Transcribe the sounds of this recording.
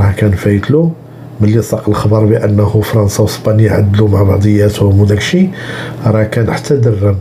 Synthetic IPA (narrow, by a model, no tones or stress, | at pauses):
ɾˤɑkænfæjət̪lu | məlːisˤɑqəlxɑbɑɾˤbiʔənːəhufɾˤɑnsæwəsbɑnjʕa̰d̪ːlumaʕbɑʕd̪ˤəjːæt̪hʊmd̪ækʃiɾˤɑkænħat̪ʰːæd̪ərːəm